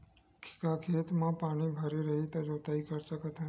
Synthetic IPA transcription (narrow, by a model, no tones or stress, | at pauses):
kʰi̥kakʰet̪mãpaɽ̃ibʱəɾiɾəɦit̪od͡ʒot̪aikəɾt͡ʃəkət̪ʰa